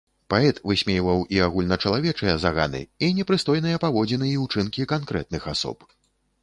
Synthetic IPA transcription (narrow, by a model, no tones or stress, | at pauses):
paɛt̪vɨsʲmʲɛjvɐwiaɣulʲnɐt͡ʂɐlˠavʲɛt͡ʂɨjɐzaɣa̰nɨ̰inʲɛpɾɨst̪ɔjn̪ɨjɐpavɔd͡zʲɛnɨjiwt͡ʂɨnkʲikankɾɛ̰t̪̚nɨxasɔ̰p